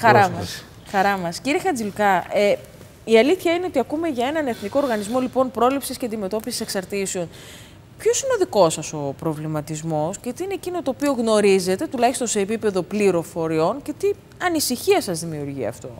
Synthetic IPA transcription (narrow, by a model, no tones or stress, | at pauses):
xɐɾɐɐs | xɐɾɐmɐsciɾiexɐd͡zilkɐʔe | iɐliθçɐine̞o̞t̪iɐkume̞ʝɐe̞nɐne̞θniko̞ːɾɣɐnizmo̞lipo̞npɾo̞lipsisceɐnd̪ime̞t̪o̞pisi̥se̞ksɐɾt̪iseo̞n | pço̞sineoðiko̞sɐso̞pɾo̞vlimɐt̪izmo̞scet̪iineːcino̞t̪o̞ːpio̞ɣno̞ɾize̞t̪e̞t̪ulɐçist̪o̞nse̞ːpipe̞ðo̞pliɾo̞fo̞ɾio̞nce̞t̪i | ɐnisiçiɐsɐzðimiuɾʝiɐ̰ft̪o̞̰